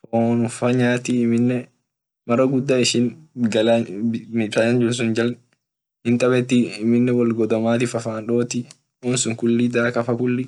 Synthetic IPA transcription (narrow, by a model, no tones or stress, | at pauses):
fonʊfɐɲaːt̪iːmɪnːɛ | mɐrɐɡʊd̪ːaɪʃɪnɡɐlamɪsaːnɐnd͡ʒʊɾs̬ʊnd͡ʒɐl | hɪnt̪ʼɐbɛt̪ːiɪmɪnːɛwɔlɡɔd̪ɐmaːt̪ɪfɐfaːnᶑoːt̪ɪ | uːnsʊŋkʊlːid̪aːkɐfɐkʊlːi